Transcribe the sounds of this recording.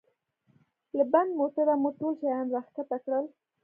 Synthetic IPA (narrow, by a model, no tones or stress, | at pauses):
ləband̪mot̪ad̪amoʈolt͡ʃajanɾaxkat̪akɽəl